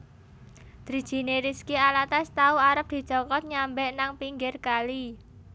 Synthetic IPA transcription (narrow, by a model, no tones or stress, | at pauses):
d̪̥ɾi̤d̥d͡ʒ̥i̤neɾiskialat̪ast̪auaɾəp̚d̪̥i̤t͡ʃɔkɔt̪̚ɲambɛʔnaŋpiŋɡɪrkali